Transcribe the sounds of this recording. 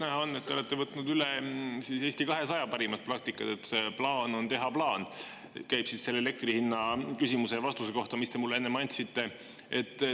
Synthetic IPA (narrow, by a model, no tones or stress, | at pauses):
næɦɑonːe̞t̪ːeolet̪ːevɤt̪nud̪ylesise̞ːsʲt̪ikɑɦe̞sɑjɑpɑɾimɑt̪̚pɾɑk̚t̪ikːˑɑt̪et̪ːplɑːno̞nt̪e̞ɦɑplɑːn | kæjb̥sisːe̞lːele̞k̚t̪rihinːɑkysimuse̞jɑvɑst̪useko̞ht̪ɑmist̪e̞mulːe̞nːemɑnʲt̪sit̪ːˑe̞ | e̞t̪ˑː